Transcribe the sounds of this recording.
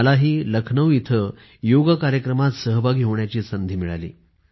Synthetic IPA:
laɦiːləkʰnəʋit̪ʰə | joɡəkaɾjəkɾəmat̪səɦəbʱaɡiɦoʋɳjat͡ɕiːsənd̪ʱiːmiɭa̰lḭː

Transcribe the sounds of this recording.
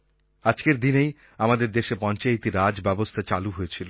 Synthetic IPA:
ad͡ʑkeɾd̪inej | amad̪eɾd̪eʃepɔnt͡ɕajt̪iɾad͡ʑbɛbost̪ʰat͡ɕaluɦojet͡ɕʰilo

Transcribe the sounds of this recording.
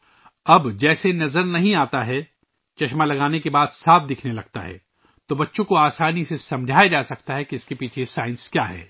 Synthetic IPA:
ɐbd͡ʒɛːsenɐzəɾnɐɦĩaːt̪aɦɛ | t͡ʃɐʃmalɐɡaːnekebaːd̪saːf̚ʰd̪ɪkʰnelɐɡ̚t̪a̰ɦɛ̰ː | t̪obɐtːʃõkoaːsaːnisesɐ̃md͡ʒʱaːed͡ʒaːsɐkt̪aɦɛkiɪskepiːt͡ʃʰesaːɪnskjaːɦɛ̰ː

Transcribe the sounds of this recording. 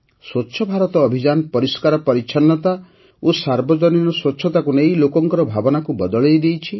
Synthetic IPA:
swɔtːʃʰɔbʱaɾɔt̪ɔːbʱid͡ʒanɔpɔɾiskaɾɔpɔɾit͡ʃʰɔnːɔt̪a | osaɾbɔd͡ʒɔninɔswɔtːʃʰɔt̪akunejlokɔŋkɔɾɔbʱabɔnakubɔd̪ɔɭejd̪ejt͡ʃʰi

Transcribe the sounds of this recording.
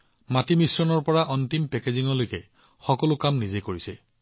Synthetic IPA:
matimisɹɔnɔɹpɔɹaʔɔntimpɛkeziŋɔlojkɛ | xɔkɔlʊkamnizekoɹisɛ

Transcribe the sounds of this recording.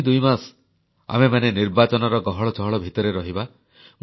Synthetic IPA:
d̪ujmas | a̰memaneniɾbat͡ʃɔnɔɾɔɡɔɦɔɭɔt͡ʃɔɦɔɭɔbʱit̪ɔɾeɾɔɦiba | m

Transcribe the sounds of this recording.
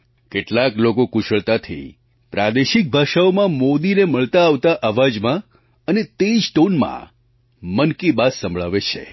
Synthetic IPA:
keʈlaklokokuʃəɭt̪at̪ʰḭ | pɾad̪eʃik̚bʱaʃaomãmod̪ineməɭt̪aːʋt̪aʔəʋad͡ʒmã | ənet̪ed͡ʒʈonmã̰ | mənkibassəmbɭaʋet͡ʃʰḛ

